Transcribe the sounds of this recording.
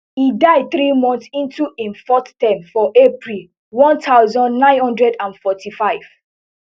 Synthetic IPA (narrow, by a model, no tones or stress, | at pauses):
idaɪd̚θɹimɔ̃nθsĩntuʔĩnfɔttãmfɔʔepɹil | wɔ̃ntʰaʊzɔ̃ndnãɪ̃nhɔ̃ndɹɛdãnfɔtifaɪv̥